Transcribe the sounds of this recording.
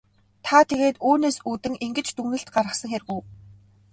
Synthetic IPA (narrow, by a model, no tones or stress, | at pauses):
t̪ʰat̪ʰeɣeːt̪uːneːsut̪ɘ̆ŋiŋɡɘ̆t͡ɕt̪uŋnɘ̆ɬt̪ɢaɾʁə̆χsə̆ŋxeɾɣuː